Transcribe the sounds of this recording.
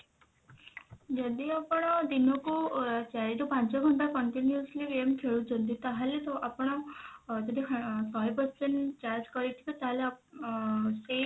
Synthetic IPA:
d͡ʒɔd̪iapɔɽ̃ɔd̪inɔkut͡ʃaɾiɾupãnt͡ʃɔɡʱɔnʈ̪akɔɳʈinjusliɾemk̪ʰeɭut͡ʃʰɔnt̪̬it̪aɦalet̪ɔʔapɔɽ̃ɔd͡ʒɔd̪isɔjpɔɾseɳʈt͡ʃaɾd͡ʒkɔɾit̪ʰibɔt̪aɦalea | se

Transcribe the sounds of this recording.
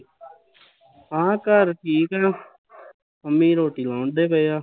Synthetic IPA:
ãːkəɾʈʰiːkɛː | əmĩːɾoːʈiːlaːɳd̪eːbəjjaː

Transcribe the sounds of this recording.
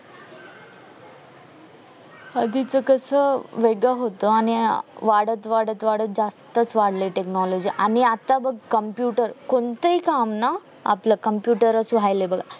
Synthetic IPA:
əd̪ʱit͡səkəsəːʋeɡəɦot̪əaɽ̃iʋaɽət̪ʋaɽət̪ʋaɽət̪̚d͡zast̪ət͡sʋaɽleʈeknɔlod͡ʑiʔañiat̪abəɡkəmpjuʈəɾkont̪əikamna | a̰pləkəmpjuʈəɾəsʋʱajlebəɡʱa

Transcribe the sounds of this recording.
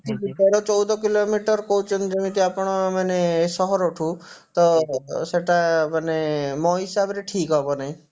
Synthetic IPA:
tiit̪ɛɾɔt͡ʃɔwd̪ɔkilomiʈɔɾkout͡ʃʰund͡ʒemĩt̪iapɽ̃ɔmanesɔɦɔɾoʈʰũ | t̪ɔseʈamanemɔɦisabɾeʈʰiːkɦɔbɔnaĩ

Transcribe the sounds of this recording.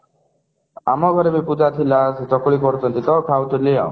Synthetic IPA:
a̰mɔɡʱɔɾebeput̪at̪ʰilased͡ʒɔkɔɭikɔɾut͡ʃʰɔnt̪it̪ɔkʰawt̪ɔlijɔ̰

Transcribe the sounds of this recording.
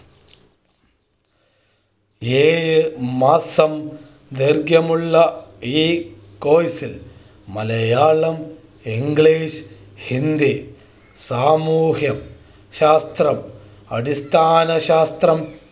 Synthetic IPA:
eːjmaːsɐm | d̪eɾɡjɐmuɭːɐiː | koːjsil | mɐlɐjaːɭɐm | iŋɡɭiːʃ | hind̪i | saːmuːɦjɐm | ʃaːst̪ɾɐm | ɐ̰ɽist̪ʰaːnɐʃaːst̪ɾɐm

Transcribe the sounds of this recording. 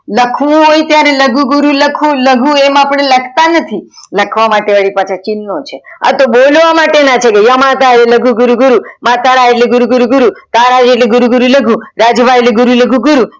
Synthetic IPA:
ləkʰʋũɦojt̪jaɾeləɡũɡʊɾuləkʰũləɡũemapəɳ̃eləkʰt̪anət̪ʰi | ləkʰʋamaʈeʋəɭipat͡ʃʰat͡ʃinːot͡ʃʰea̰t̪obolʋamaʈenat͡ʃʰekejamãt̪aɾeləɡũɡʊɾuɡʊɾumãt̪aɾaeʈleɡʊɾuɡuɾuɡʊɾut̪aɾad͡ʒeʈleɡʊɾuɡuɾuləɡʱũɾad͡ʒbʱaeleɡʊɾuləɡũɡʊɾu

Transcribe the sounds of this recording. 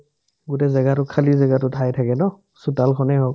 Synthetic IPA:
ɡutɛzɛɡatʊkʰalizɛɡatʊtʰajtʰakɛnɔ | sutalkʰɔnɛɦɔk̚

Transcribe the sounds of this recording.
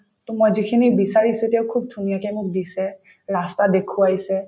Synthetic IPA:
tɔmojzikʰinibisaɹisuetɛaʊkʰub̚dʱunijakɛmʊk̚disɛ | ɹastadekʰuajsɛ

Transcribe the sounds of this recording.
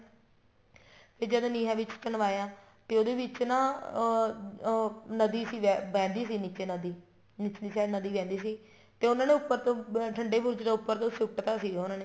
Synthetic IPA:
pʰɪɾd͡ʒəd̪oniːɦãːʋɪt͡ʃt͡ʃənʋaːjãː | t̪eːoːd̪eːʋɪt͡ʃnãː | nəd̪iːsiːʋɛːʋɛ̃ːnd̪iːsiːniːt͡ʃeːnəd̪iː | niːt͡ʃːdiːsɛːnəd̪iːʋɛ̃ːnd̪iːsiː | t̪eːʊnãːneːʊpːəɾt̪õːʈʰəɳɖeːbʱot͡ʃd̪aːʊpːəɾt̪õːsɪʈːt̪aːsiːʊnãːneː

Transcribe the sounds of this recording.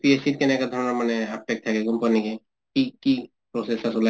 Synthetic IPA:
piesit̚kɛnɛkad̪ʱɔɹɔnaɹmanɛap̚ʈek̚t̪ʰakɛɡumpanikɛ | kiki | pɹɔsesasola

